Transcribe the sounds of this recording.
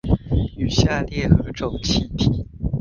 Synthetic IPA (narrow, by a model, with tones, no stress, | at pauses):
y˨˩ɕja˥˧ljɛ˥˩xɤ˧˥ʈ͡ʂo˨˩ʊŋt͡ɕʰi˧˥npʰi˨˩˦